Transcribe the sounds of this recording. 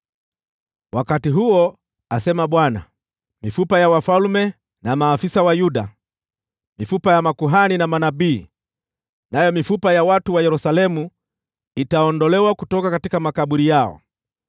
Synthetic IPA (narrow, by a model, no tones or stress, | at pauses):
wakatiɦuɔ | asɛmaɓwana̰ | mifupajawafalmɛ | namaːfisawajuɗa | mifupajamakuɦaninamanabiː | najɔmifupajawatuwajɛɾusalɛmu | itaɔndɔlɛwakutɔkakatikamakaɓuɾijaɔ̰